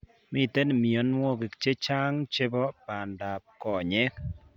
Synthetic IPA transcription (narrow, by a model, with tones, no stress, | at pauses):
mɪ˦˨t̪e˦n˨mi˨o˨˦nwɔ˦˨ɡe˨kt͡ʃe˦t͡ʃa˦ŋt͡ʃe˦bɔ˦pa˨nda˨p̚kɔ˨ɲɛ˦